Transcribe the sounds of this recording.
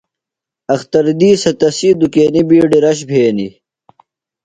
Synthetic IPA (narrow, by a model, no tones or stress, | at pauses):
ɐxt̪ɐɾd̪iːsɐt̪ɐsid̪ukeːnibiːɖiɾɐɕbʱeːnḭ